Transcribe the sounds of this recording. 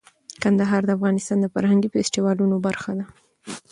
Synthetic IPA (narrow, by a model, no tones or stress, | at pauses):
kand̪aɦɑɾd̪əafɣɑnɪst̪ɑnd̪əfa̰ɾhaŋɡifɪsʈiwɑlunobaɾxad̪a